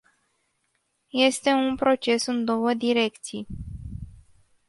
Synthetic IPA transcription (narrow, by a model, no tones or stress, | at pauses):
je̞st̪e̞unpɾo̞t͡ʃe̞sɨnd̪o̞wəd̪iɾe̞kt̪sij